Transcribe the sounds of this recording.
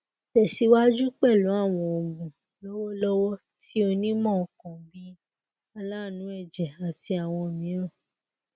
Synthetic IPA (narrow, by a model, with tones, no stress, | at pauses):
ʃɛ˨ʃi˨˧wa˦d͡ʒu˦k͡pɛ˦˨lũ˨˦a˦˨w̃ɔ̃˧o˨ɡũ˨ | lɔ˦wɔ˦lɔ˦wɔ˦ | ti˦o˧nĩ˦mɔ̃˦˨kɔ̃˨bi˦ | a˧la˦˨nũ˨˦ɛ˦˨d͡ʒɛ˨a˨ti˧a˨w̃ɔ̃˧o˨mĩ˨˦ɾ̃ã˦˨